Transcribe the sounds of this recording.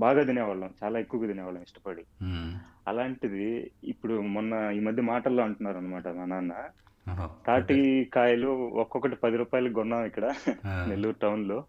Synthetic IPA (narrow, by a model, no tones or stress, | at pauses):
baːɡaːd̪inɛːʋɐɭɐmt͡ʃaːlaːekːuʋɐɡɐd̪inɛːʋɐɭɐmiʂʈɐpɐɽi | ɐ̰laːɳʈid̪ḭːpːuɽumɔnːɐiːmɐd̪ʱjɐmaːʈɐlːoːɐɳʈunːaːɾuɐnːɐmaːʈɐnanaːnːɐ | t̪aːʈikaːjɐluɔkːɔkɐʈipɐd̪iɾuːpaːjɐlɐkɡɔnːaːmikːɐɽɐnelːuːɾʈɐwnloː